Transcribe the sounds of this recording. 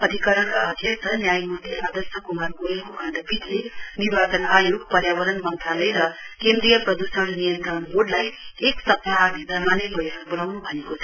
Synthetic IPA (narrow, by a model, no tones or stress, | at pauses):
ʌd̪ʱikʌɾʌɳkaʌd̪ʱjʌkt̪ʰʌnjajmud̪ʱeʔad̪əsʌkumarkoekoɡʱãnd̪apit̪lenibat͡sʌnajoɡ̚pʌɾjaβʌɾʌnmʌnt̪ʰalʌjɾʌkend̪ɾijʌprʌd̪usəɽnijʌnt̪ʌnboɖlajeksʌpnaadid̪ʱʌmanebʌjɦʌkbʌlawnubʱʌnekot͡sʰʌ